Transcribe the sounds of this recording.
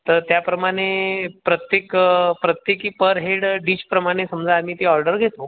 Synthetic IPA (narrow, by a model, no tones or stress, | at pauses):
t̪əɾt̪japɾəmaɽ̃epɾət̪jekpɾət̪jekiːpəɾɦeɽɖit͡ɕpɾəmaɽ̃esəmd͡zaamiːt̪eɔɾɖəɾɡʱet̪o